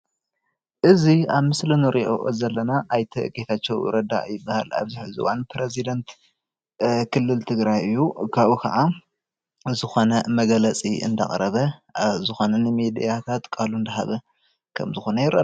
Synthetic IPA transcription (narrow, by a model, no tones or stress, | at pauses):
ʔɨziaβmɨslɨnɨɾʔiʔo̰ʔo̰zɐlːɐnaʔajt̪ʰɐɡʼet̪ʰat͡ʃːɛwɾɐd̪a̰ʔjɪbːaha̰la̰βziħɨzṵwanpɾezid̪ɐnt̪ | kʰɨlːɨlt̪ʰɨɡɾajɨjːukʰaβukʰɐ̰ʕa | zɨxo̞nɐmɐɡɐlɐt͡sʼiɨ̰nd̪ɐ̰kʼɾɐβɐzɨxo̞nɐnɨmid̪ijat̪ʰat̪kʼalund̪ɐɦa̰βɐ | kʰɐ̰mzɨxo̞nɐjɪɾʔɐ̰